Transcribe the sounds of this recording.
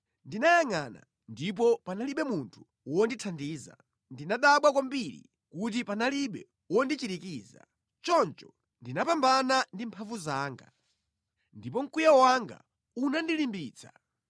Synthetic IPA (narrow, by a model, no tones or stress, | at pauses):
ndinajaŋana̰ | ndip̬ɔpanaliɓɛmuntʰu̥ | wɔnditʰandiːza̰ | ndinaɗaɓwakwambiɾḭ | kut̬ipanaliɓɛ | wɔndit͡ʃiɾikiːza̰ | t͡ʃɔnt͡ʃɔ̥ | ndinapambanandimpʰaɱvuzaːŋɡa̰ | ndip̬ɔŋ̩kujawaŋɡa̰ | unandilimbiːt͡sʰḁ̰